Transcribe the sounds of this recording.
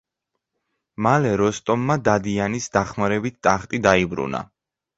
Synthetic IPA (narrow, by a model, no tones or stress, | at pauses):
malɛɾɔst̪ʼɔmːad̪ad̪ianisd̪aχmaɾɛbit̪̚ʰt̪ʼaχt̪ʼid̪aibɾṵna̰